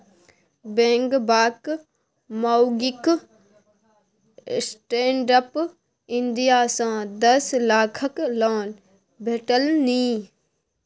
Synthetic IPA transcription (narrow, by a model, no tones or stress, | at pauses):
bẽːŋɡbaːk | maɡɪk | sʈẽːɳɖəp | ɪ̃nd̪ijaːsãːd̪əslaːkʰəklaːn | bʱeːʈəlniː